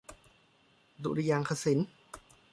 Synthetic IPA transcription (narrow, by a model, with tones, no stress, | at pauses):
dṵ˧ʔɾi˧jaː˧ŋkʰa˧si˩˦n